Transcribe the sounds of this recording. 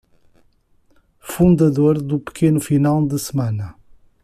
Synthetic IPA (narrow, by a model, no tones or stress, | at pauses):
fũnd̪ɐðoɾðupɨ̥kʰenufinalˠd̪ɨsɨmanɐ